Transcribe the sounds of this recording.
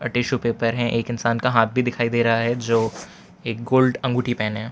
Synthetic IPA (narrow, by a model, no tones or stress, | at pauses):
ɐ̰ʈeːʃupeːpəɾɦɛ̃ʔeːkɪnsaːnkaɦaːt̪̚bʱid̪ɪkʰaːid̪eːɾɐɦaɦɛd͡ʒoː | eːk̚ɡoːlɖɐ̃ŋɡuːʈipɛːnɦɛ̃ː